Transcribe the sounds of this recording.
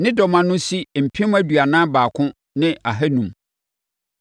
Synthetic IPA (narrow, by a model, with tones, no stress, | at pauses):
nɪ̃˦dɔ˨mã˨nʊ̃˦si˦˨m̩˨pʰĩ˦m˦æ˦dɥa˨nãː˦baː˨kʰʊ̃˦ | nɪ̃˦a˨ɦɛ˦nũ˨m